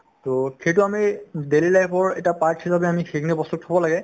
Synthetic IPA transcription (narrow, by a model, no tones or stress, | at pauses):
toxejtʊamidelilajpʰɔɹɛ̰tapaɹtʰisabɛamixeknibɔstʊk̚tʰabɔlaɡɛ